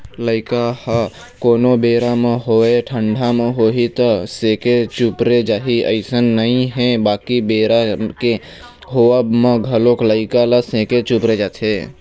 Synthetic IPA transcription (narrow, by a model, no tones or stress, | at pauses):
ləɪkahə | koːnobeːɾamẽɦoeʈʰəɳɖʱameɦoːɦit̪əsẽːket͡ʃupɾed͡ʒaːɦiə̰ɪsənːəɦĩɦɛ̃baːkibeːɾake | ɦoəbmẽɡʱəlokləɪkaləsẽːket͡ʃupɾed͡ʒaːt̪ʰe